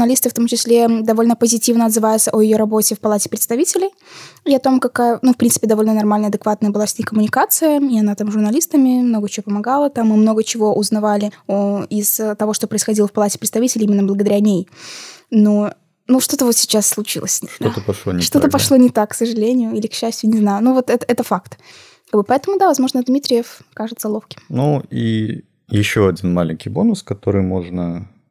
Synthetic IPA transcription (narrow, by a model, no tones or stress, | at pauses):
nɐlʲist̪ɨft̪o̞mt͡ɕɪsʲlʲed̪ɐvo̞lʲnəpəzʲɪtʲivnəɐd̪zɨvajʊt̪sʔojɪjo̞ɾɐbo̞tʲɪfpɐlˠatʲɪ̥pɾʲɪt̪st̪ɐvʲitʲɪlʲɪj | ɪɐt̪o̞mkɐkaənufpɾʲinsɨpʲɪd̪ɐvo̞lʲnənɐrmalʲnəɐd̪ɨkvat̪̚nəjəbɨlˠafsʲnʲɪkəmʊnʲɪkat̪sɨjəɪɐnat̪amʐʊrnɐlʲist̪əmʲɪmnoɡət͡ɕɪvopəmɐɡalˠət̪amːɨmno̞ɡət͡ɕɪvo̞ʔʊznɐvalʲɪoɪz̥t̪ɐvo̞ʂt̪o̞pɾəɪsxɐdʲilˠəfpɐlˠatʲɪ̥pɾʲɪt̪st̪ɐvʲitʲɪlʲɪimɪnːəblˠəɡəd̪ɐɾʲanʲej | no | nuʂt̪o̞t̪əvo̞t̪sʲɪ̥t͡ɕasːlˠʊt͡ɕḭlˠə̰sʲʂt̪ot̪əpɐʂlˠonɪʂt̪o̞t̪əpɐʂlˠonʲɪt̪akːsəʐɨlʲenʲɪjʊilʲɪkɕːæsʲtʲjʊnʲɪznajʊnuvo̞t̪ɛt̪ɛt̪əfakt̪ | kaɡbɨpɐɛt̪əmʊd̪avɐzmo̞ʐnəd̪mʲit̪ɾʲɪjəfkaʐɨt̪səlˠofkʲɪ̥mnui | jɪɕːo̞ɐdʲinmalʲɪ̰ŋʲkʲijbo̞nʊskɐt̪o̞ɾɨjmo̞ʐnə